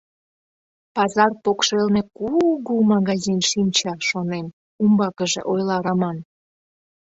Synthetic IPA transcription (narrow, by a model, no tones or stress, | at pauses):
pɑzɑrpokʃelnekuɣomɑɣɑzinʃinʲt͡ɕɑʃonem | umbɑkəʒḛʔojlɑɾɑmɑn